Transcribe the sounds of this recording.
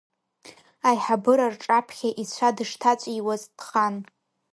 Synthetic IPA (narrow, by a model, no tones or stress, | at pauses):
ajħabɨɾarʈ͡ʂʼapʰχʲaʔit͡ɕʷʰadɨʂtʰat͡ɕʷʼiwazdχan